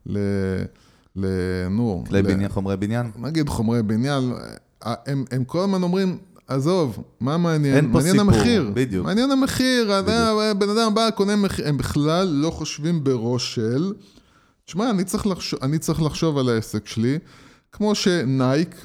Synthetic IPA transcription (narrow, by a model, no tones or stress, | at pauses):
le | lenulelinjaχomʁebinjannaɡid̪χomʁebinjan | a̰ʔememkolamano̞mʁim | azovmameːnjenmanjenameχiʁbid̪jumaːnjenameχiʁad̪abe̞nad̪ambakonemeχembiχlalːo̞χoʃvimbeʁo̞ʃel | t̪i̥ʃmaːnit͡sʁiχlaχʃoʔanit͡saʁiχlaχʃo̞valaesekʃeli | kmo̞ʃe̞najk